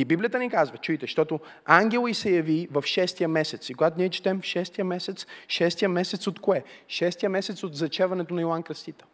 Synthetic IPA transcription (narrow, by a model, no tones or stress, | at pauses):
ibiblijət̪ənikazvɐt͡ʃujt̪ɛʃt̪ɔt̪o | aŋɡʲɛlˠisɛjɐvivɐfʃɛst̪ijəmɛsɛt̪sikoɡat̪oniɛt͡ʃi̥t̪ɛmfʃɛst̪ijəmɛsɛt̪sʃɛst̪ijəmɛsɛt̪sot̪koɛʃɛst̪ijəmɛsɛt̪sod̪zɐt͡ʃɛvɐnɛt̪onɐilˠankɾɐst̪it̪ə̥